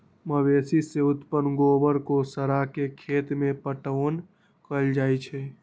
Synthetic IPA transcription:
məbesiseʊt̪pənɡobəɾkosəɾakekʰet̪mẽpəʈən | kəld͡ʒajt͡ʃʰɛ

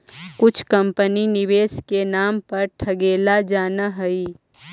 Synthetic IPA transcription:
kʊt͡ʃʰkɐ̃mpəninɪʋeːskenaːmpɐɾʈʰɐɡeːlad͡ʒaːnaɦɐi

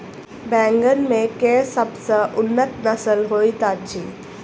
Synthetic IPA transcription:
bɛ̃ːŋɡənmẽkesəbsəʔʊnːət̪nəsəlɦoːit̪at͡ʃʰiː

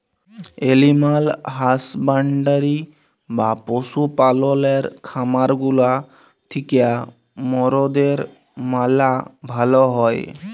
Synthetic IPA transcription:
elimalɦasbaɳɖaɾi | baposupalɔleɾkʰamaɾɡula | t̪ʰikea | mɔɾod̪eɾ | malabʱalɔɦɔe

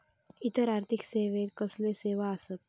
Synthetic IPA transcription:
it̪əɾaɾt̪ʰikseʋet̪kəsleseʋaəsət̪̚

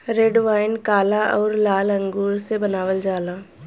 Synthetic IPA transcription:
ɾeɖʋaːɪnkaːlaʔɔːɾlaːlə̃ŋɡuːɾsebənaːʋəld͡ʒaːlaː

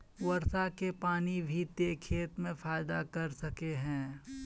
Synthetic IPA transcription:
wɐɾsakepaːnibʱit̪ekʰeːt̪mẽfaːɪd̪akɐɾsɐkeɦɛ̃ː

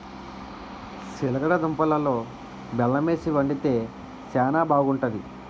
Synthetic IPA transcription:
silɐɡɐɽɐd̪umpɐlɐlo̞ː | bɛlːɐme̞ːsiʋɐɳɖit̪e̞ː | sɛːnaːbaːɡuɳʈɐd̪i

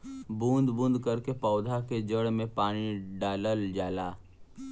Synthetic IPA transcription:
bũːnd̪bũːnd̪kɐɾkepɔːd̪ʱaked͡ʒəɽmẽpaːɽ̃iɖaːləld͡ʒaːlaː

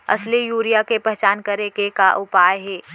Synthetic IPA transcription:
ɐ̰slijuːɾijakepɛɦt͡ʃaːnkɐɾekekaʔʊpaːjɦɛː

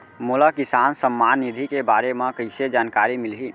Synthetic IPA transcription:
molakisansəmːanːid̪ʱikebaɾemẽkəɪsed͡ʒaːnkaɾimilɦi

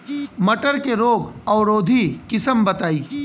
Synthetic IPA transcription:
mɐʈəɾkeɾoːɡɐwɾoːd̪ʱikɪsəmbɐt̪aːiː

